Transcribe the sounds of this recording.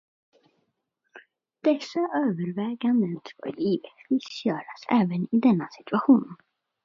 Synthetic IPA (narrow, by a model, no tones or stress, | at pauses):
d̪̥ɛsːaʔøːvəɾvɛːɡand̪ənsʰvo̰ːliːvvɪsjœːɾasɛːvənɪd̪ɛnːasɪ̥t̪ɵaɧuːn